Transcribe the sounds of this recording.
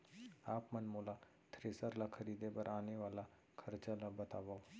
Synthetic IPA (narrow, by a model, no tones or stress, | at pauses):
aːpmɐnmoːla | t̪ʰɾeːsəɾlakʰəɾiːd̪ebɐɾaːneʋaːla | kʰɐɾt͡ʃãlabɐt̪aːʋa